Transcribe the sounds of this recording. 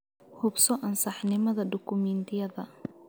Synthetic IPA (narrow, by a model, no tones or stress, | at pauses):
hʊbsɔʔɐnsɑħnɪmɐðɐɖʊkʰʊmɛnt̪ʰɪjɐðɐ